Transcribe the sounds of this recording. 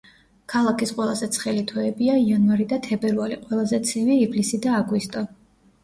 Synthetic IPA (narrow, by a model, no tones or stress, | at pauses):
kʰalˠakʰisqʼwɛlˠazɛt̪sʰχɛlit̪ʰɔɛbiaianvaɾid̪at̪ʰɛbɛɾvaliqʼwɛlˠazɛt̪sʰiviiblisid̪aːɡwist̪ʼɔ